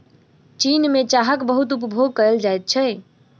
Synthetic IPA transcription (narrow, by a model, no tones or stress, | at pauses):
t͡ʃinmet͡ʃaɦəkbəɦut̪upəbʱoɡ̚kəɾəld͡ʒajt̪̚t͡ʃʰɛ